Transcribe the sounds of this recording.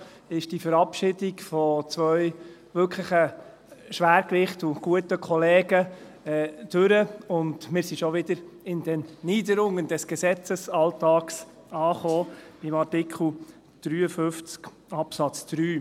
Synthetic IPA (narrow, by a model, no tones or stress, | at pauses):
ɪʃd̥ifəɾɑpʃɪːdiɡfɔt͡sʋœʏʋʏkʰləχə | ʃʋæːɾkʋɪχtʊɡ̥uətəkʰɔlɛːɡə | ɛd̥øɾəʊndmɪːɾsiʃɔʋɪd̥əɾɪnd̥ɛnniːdəɾʊŋːənd̥ɛsɡ̥ɛsɛt͡səsɑltɑːks | ɑːχoːɪmɑɾtɪkʰl̩ | d̥ɾyːəfʏft͡sk | ɑpsɑt͡sd̥ɾyː